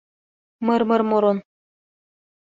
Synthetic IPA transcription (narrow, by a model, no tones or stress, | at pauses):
mɤɾmɤ̆ɾmoɾon